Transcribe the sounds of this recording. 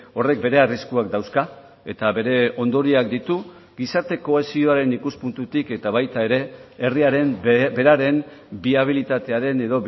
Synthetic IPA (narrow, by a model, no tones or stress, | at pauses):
o̞re̞k̚be̞ɾe̞ariskuakd̪awska | e̞t̪aβe̞ɾe̞o̞nd̪o̞ɾiak̚d̪it̪u | ɡisaɾt̪e̞ko̞e̞sio̞aɾe̞nikuspunt̪ut̪ike̞t̪aβajt̪ae̞ɾe̞ːriaɾe̞mbe̞ɾaɾe̞m | biaβ̞ilit̪at̪e̞aɾe̞ne̞ðo̞